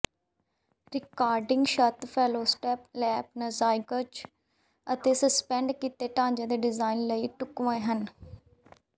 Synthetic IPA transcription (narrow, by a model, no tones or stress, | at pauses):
ɾɪkaːɾɖɪ̃ŋɡʃət̪pʰɛːloːsʈɛːplɛːpnəzaːɪkət͡ʃ | ət̪eːsəspɛ̃ːɳɖkiːt̪eːʈãːɲd͡ʒẽːd̪eːɖɪzaːinləiːʈʊkʋõːẽːɦən